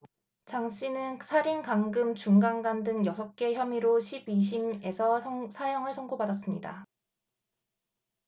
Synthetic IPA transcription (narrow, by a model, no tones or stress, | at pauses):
t͡ɕaŋɕ͈ʰinɯnsʰaɾinkaŋɡɯmt͡ɕuŋɡaŋɡandɯŋjʌsʰʌk̚k͈e̞çjʌmiɾoɕʰibiɕ̬ʰime̞sʰʌsʰajʌŋɯɭsʰʌŋɡobadas͈ɯmɲida̰